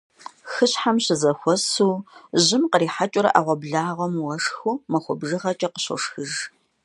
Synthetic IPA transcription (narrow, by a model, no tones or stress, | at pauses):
xɨɕħamɕɪzɐxʷɔsuːʑɪmqəɾiːħat͡ʃʼʊɾɐ̰ʔaʁʷɔbɮaːʁʷɔmwɐʂxuːmɐxʷɔbʒɨʁɐt͡ʃʼɐqə̥ɕɔ̰ʂxɨʒ